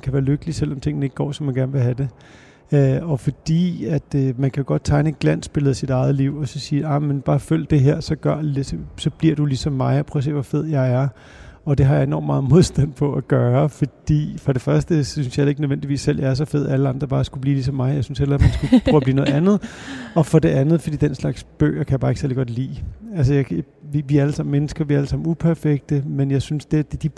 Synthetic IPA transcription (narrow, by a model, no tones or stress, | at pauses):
nkʰæʋæːɐløɡ̥əlisel̰ɒmt͡sʰe̝ŋ̰̥n̩e̝ɡ̥̚ɡ̥ɒ̰ːsɒmːænɡæɐnʋe̝ɦæd̥e̝ | ɒ̽fɒ̽d̥ḭːæd̥mænkʰæjo̝ɡ̥ɒ̽d̥̚t͡sʰɑ̈ɪnəed̚ɡ̥læn̰sb̥e̝ləð̞̩ˠsid̥ɑ̈ɪð̞̩ˠliʊ̰ɒ̽sɒ̽siːɑ̈menb̥ɑ̈ːføl̰d̥e̝ɦeɐ̰sɒ̽ɡ̥ɶɐ̰lessɒ̽b̥liɐ̰d̥ulisɒ̽mːɑ̈ɪjɑpʰʁœse̝̰ːʋɒfe̝ð̞̰ˠjɑ̈ɪæɐ | ɒ̽d̥e̝ɦɑ̈jɑ̈e̝nɒ̰mːɑ̈ːð̩ˠmo̝ð̞ˠsd̥æn̰pʰɒ̽æɡ̥ɶːɐfɒ̽d̥ḭːfʁɒ̽ɾ̥e̝fɶɐsd̥əsynsjɑele̝ɡ̥ənøðˠʋendiʋḭːsːel̰jɑ̈ɐsɒ̽fe̝ð̞̰ˠæləɑ̈nd̥ʁɐbɑ̈ːsɡ̥ub̥liːlisɒ̽mːɑ̈ɪjɑaɪsynshelɐmænsɡ̥upʰœːb̥liːnɔð̩ˠænð̩ˠɒ̽fɒ̽de̝ʔænð̩ˠfɒd̥ḭːd̥enslɑ̈ɡ̥sb̥ø̰ːɐkʰæjɑbɑ̈ːe̝ɡ̥seɐliɡ̥ɒ̽d̥lḭːæls̬əjɑɪ | iʋiæɐæləsɑ̈m̰n̩menəsɡ̥ɐʋiɐæləsɑ̈m̰n̩upʰæɐfeɡ̥̚d̥əmenjɑ̈ɪsynsd̥ed̥ed̥i